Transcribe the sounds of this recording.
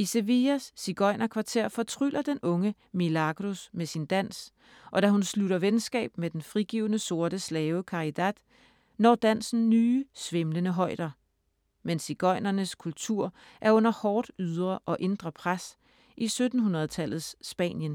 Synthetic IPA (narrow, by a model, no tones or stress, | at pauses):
ise̝ʋiæsːiɡ̥ɒ̽ɪnɐkʰʋɑ̈t͡sʰe̝ɐ̰fɒ̽t͡sʰʁy̰lʔɐd̥enʔɔ̽ŋə | milɑ̈ɡ̥ʁosmesind̥æn̰s | ʔɒ̽d̥æɦunsluɾɐʋensɡ̥ɛ̰ːb̥med̥enfʁiɡ̥ḭːʊnəso̝ɐɾ̥əslɛːʊəkʰɑ̈id̥æd̥ | nɒ̰ːd̥æn̰sn̩nyːsʋe̝mlənəɦɒ̽ɪ̰d̥ɐ | mensiɡ̥ɒ̽ɪnɐnəskʰult͡sʰuɐ̰ | ʔæɐɔ̽n̰ɐhɒːd̥yð̞ˠʁɐʔɒ̽ʔe̝nd̥ʁɐpʰʁas | ʔisød̥n̩ɦunɐðˠt͡sʰæl̰ð̩ˠsːb̥ɛ̰ːnjən